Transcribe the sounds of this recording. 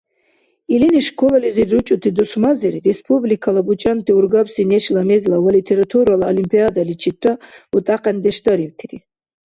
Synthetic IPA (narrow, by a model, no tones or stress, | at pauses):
iliniʃkʰɔlɔliziɾut͡ʃʼut̪ʰid̪usmaziɾiɾɛspʰʼublikʰalabut͡ʃʼant̪ʰiuɾɡapsinɛʃlamɛzlawalit̪ʰɛɾat̪ʰuɾalaɔlimpʰʼiad̪alit͡ʃʰit̪ʰraut̪ʼaqʼɛnd̪ɛʃd̪aɾivt̪ʰiɾi